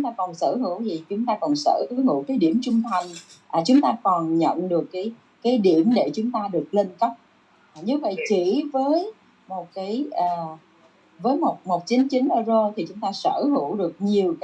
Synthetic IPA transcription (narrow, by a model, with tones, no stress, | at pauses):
t͡ɕʊ˨˦ŋ͡mt̪aː˧kɔ˨˩nsə̰ː˧˩hɨ̰˧˥wzi˨˩t͡ɕʊ˨˦ŋ͡mt̪aː˧kɔ˨˩nsə̰ː˧˩ʔhɨ̰˧˩˥wkaː˨˦jɗi˧˩əmt͡ɕʊ˧ŋ͡mt̪ʰa˨˩jŋ̟ʔaː˨˩t͡ɕʊ˨˦ŋ͡mt̪aː˧kɔ˨˩nɲə̰˧˨nɗɨ˨˩əkːaː˨˦j | kaː˨˦jɗi˧˩˨əmɗe˧˩t͡ɕʊ˨˦ŋ͡mt̪aː˧ɗɨ˨˩ək̚le˧nkə˦˥wk͡p̚ː | ɲɨ˨˧və̰˧˨jt͡ɕi˧˩vəː˨˦j | mo˨˩t̚kaː˨˦jʔəː˨˩ | vəː˨˦jmo˨˩t̚mo˨˩t̚t͡ɕi˨˦nt͡ɕï˨˦ŋ̟ʔəː˧zo˧t̪ʰi˨˩t͡ɕʊ˨˦ŋ͡mt̪aː˧səː˧˩hɨ˧˩˨wɗɨ˨˩ək̚ɲi˨˩əwk